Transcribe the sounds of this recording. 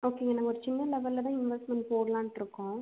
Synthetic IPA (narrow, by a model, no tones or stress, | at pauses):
oːkeːŋɡenãŋɡɐɔɾɯt͡ʃɪnːɐlɛʋɐlːt̪ãːɪnʋɛsʈmɛ̃ɳʈ̚poːɽɐlãːɳʈːɪɾɯkːʊ̃ː